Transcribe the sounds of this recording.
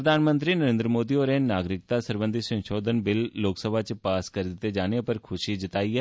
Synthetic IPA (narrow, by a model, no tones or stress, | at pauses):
ɾəd̪ʱaːnmə̃nt̪ɾiːnəɾẽːnd̪ɾəmoːd̪ioːɾeːnaːɡɾɪk̚t̪aːsəɾbə̃nd̪isə̃nʃoːd̪ʱənbɪlːoːksəbʱat͡ʃpaːskəɾd̪ɪt̪ːed͡ʒaːnepəɾkʰʊʃid͡ʒɪt̪aːiːɦɛː